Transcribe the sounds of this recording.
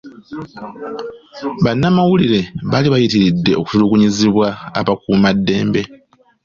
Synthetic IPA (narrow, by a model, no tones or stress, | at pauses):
βanːamawuliɾe̞βaliβajitiɾidːe̞o̞ku̥tuluɡuɲiziβwaːβakuːmadːe̞ːmbe̞